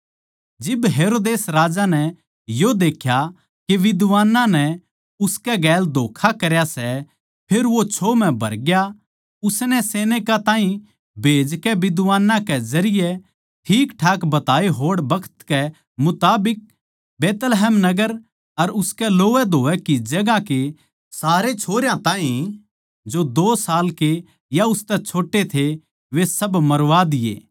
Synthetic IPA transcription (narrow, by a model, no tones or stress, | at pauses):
d͡ʒɪbɦeːɾoːd̪eːsɾaːd͡ʒanɛ | jod̪eːkʰja | keʋɪd̪ʋaːnãnɛ | ʊskɛɡɛːld̪ʱoːkʰakɐɾjasɛ | pʰeɾʋot͡ʃʰoːmɛ̃bʱɐ̰ɾɡja | ʊsnɛseːñekat̪ãːɦĩ | bʱeːd͡ʒkɛʋɪd̪ʋaːnːãkɛzɐɾɪjɛ | ʈʰiːkʈʰaːkbɐt̪aːeɦoːɽbɐkʰə̥t̪kɛ | mʊt̪aːbɪk̚ | beːt̪lɦɛːmnɐɡəɾ | ɐɾʊskɛloːʋɛd̪ʱoːʋɛkid͡ʒɐɡake | saːɾet͡ʃʰoːɾjãt̪ãːɦĩ | d͡ʒod̪oːsaːlke | jaʊst̪ɛt͡ʃʰoːʈːet̪ʰe | ʋesɐbmɐɾʋad̪ɪjḛː